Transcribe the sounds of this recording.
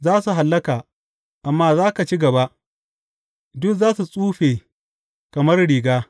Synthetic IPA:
zaː˦su˨ɦa˨lːɐ˦kaː˨ | ʔa˨mːaː˦zaː˦ka˨t͡ʃi˦ɡɐ˨ba˦ | dʊ˦kzaː˦su˨sʼuː˦ɸeː˨ | kɐ˨mɐ˦rɽiː˨ɡaː˦

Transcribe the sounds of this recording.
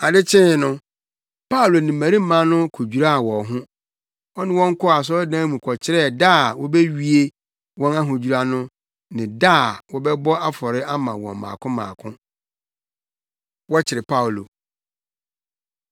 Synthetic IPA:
a˨dɪ˦t͡ɕʰɪ̃˦˨nʊ̃˦ | pʰa˦u˨lo˨nɪ̃˨m̩˨mæ̃˨ɾĩ˦m̩˦mã˦nʊ̃˦kʰo˨d͡ʑᶣu˨ɾa˦a˨wɔ˨ɦʊ̃˦ | ɔ˦nɪ̃˦wɔ̃˦ŋ˦kʰɔ˦a˨s̬ɔ˦dãː˦mũ˨kʰɔ˨t͡ɕʰɪ˦ɾɛ˦˨da˦˨wɔ˦bɛ˦ɥi˦e˦ | wɔ̃˦na˦ɦʊ̃˨d͡ʑu˨ɾa˨nʊ̃˦ | nɪ̃˨daː˦˨wɔ˦bɛ˦bɔ˦a˦fɔ˨ɾɪ˦a˦mã̰˨wɔ̰̃˨mã̰ː˨kʰʊ̃˦mã̰ː˨kʰʊ̃˦ | wɔ˦t͡ɕʰɪ˨ɾɪ˨pʰa˦˨lo̰˨

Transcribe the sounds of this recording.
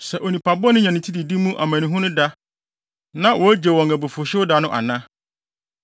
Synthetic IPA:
sɛ˨ʔo˨nĩ˨pʰa˨bʊ˦ɔ˦nʊ̃˦ɲã˨nɪ̃˨tʰi˦di˨di˦mũ˦ʔa̰˨mæ̃˨nĩ˦ɦʊ̃˦nʊ̃˦da˦ | nã˦wɔ˨æ˦d͡ʑe˨wɔ̃˨ŋæ˨bʊ˨fʊ˨ɕɪ˦ʊ˦da˨˦nʊ̃˦ʔa̰˨nã˦

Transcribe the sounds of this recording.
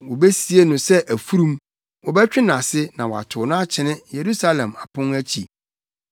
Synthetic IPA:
wɔ˨bɛ˦si˦e˦nʊ̃˨sɛ˦ʔæ˨fu˦ɾũ˦m | wɔ˨bɛ˦t͡ɕᶣɪ˦nã˨sɪ˦nã˨wɔ˨a̰˨tʰʊ˨nã˦a˦t͡ɕʰɪ˨nɪ̃˦je˨ɾu˦sa˦lɛ̃˨ma˨pʰʊ̃˦næ˦t͡ɕʰḭ˨

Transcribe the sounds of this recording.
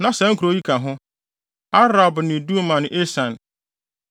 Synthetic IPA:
nã˨sɛ˨˦ŋ̩˦kʰɾo˦ji˦kʰa˨ɦʊ̃˦ | a˦ɾa˨bnɪ̃˨du˦mã˨ñ˨ʔe˦sã˨n

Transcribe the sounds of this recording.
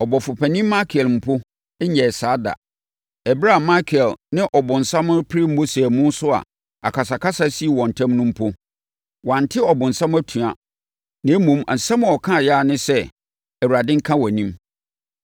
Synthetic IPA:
ɔ˨bɔ˨fʊ˨pʰæ˨nĩ˦mːa˦kʰɪ˨ɛ˨lm̩˨pʰʊ˦ | ɛ˦ɲɛ˨saː˨˦da̰˨ | ɛ˨bɾa˦˨ma˦kʰɛ˨lnɪ̃˦ʔɔ˨bʊ̃˨n̩˨sã˦mʊ̃˦pʰɪ˦ɾɪ˦m̩˦bʊ˦sɛ˨mʊ̃˦n˦sʊ˦a̰˨ | a̰˨kʰa˨s̬a˨kʰa˦sa˦si˦i˨wɔ̃˨n̩˨tʰã˦mnʊ̃˦m̩˦pʰʊ˦ | wã˨n˨tʰɪ˦ɔ˨bʊ̃˨n̩˨sã˦m˦æ˦tʰũ˨a̰˨ | nã˨˦mũ˨ma˨sã˦m̃˨ɔ˨kʰã˦˨ja˦˨nɪ̃˦sɛ˦ | æ˨wu˨ɾa˨dɪ̃˦ŋ̩˦kʰã˦wɔ˨nĩ˦m

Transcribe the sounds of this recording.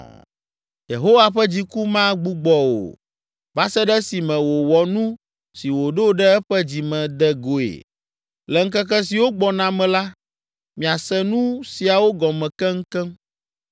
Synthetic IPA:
je˨ɦo˦wa˨ɸɛ˦d͡ʑi˨ku˦mã˦ɡ͡bu˦ɡ͡bɔ˨o̰˨ | va˦sɛ˦ɖɛ˦si˨mɛ̃˨wo˨wɔ˨nũ˦ | si˨wo˨ɖo˦ɖɛ˦ɛ˦ɸɛ˦d͡ʑi˨mɛ̃˨d̪ɛ˦ɡo˨ḛ˨ | lɛ˨ŋ̩˦kɛ˦k̬ɛ˦si˨wo˦ɡ͡bɔ˨nã˨mɛ̃˨la˦ | mĩ˨a˨sɛ˦nũ˦si˨a˨wo˦ɡɔ˨mɛ̃˨kɛ˦ŋ̩˦kɛ˦m

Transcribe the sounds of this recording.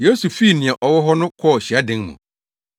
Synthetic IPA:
je˦su˨fi˦˨nĩ˨a˨ʔɔ˨wɔ˦ɦɔ˦nʊ̃˦kʰɔ˦˨ɕi˨a˦dɪ̃˦ŋmṵ̃˨

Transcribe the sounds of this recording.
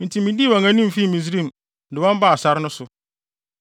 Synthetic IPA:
mĩ˨tʰĩ˨mĩ˨di˦˨wã˨ŋã˦nĩ˦m˨fi˦˨mĩ˨z̬ɾĩ˦˨m | dɪ˨wɔ̃˦m˦ba˦˨a˨sa˦ɾnʊ̃˦sʊ˨

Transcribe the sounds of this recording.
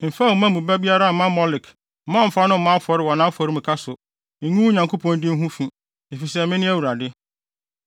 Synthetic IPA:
m̩˨fa˦˨mã˦mũ˨bæ˦bi˦a˦ɾa˦˨mã˦mɔ˦lɪ˨k̩˨ | mã˦m̩˨fa˦nʊ̃˦˨mã˦fɔ˨ɾɪ˦wɔ˨nã˦fɔ˨ɾi˦m̩̃˨kʰa˦sʊ˨ | ɲũ˦ɲã˨ŋkʰo˦pʰɔ̃˦ndɪ˦m̩˦ɦũ˦fĩ˨ | e˨fi˨sɛ˦˨mɪ̃˦nɪ̃˦æ˦wu˨ɾa˨dɪ˦

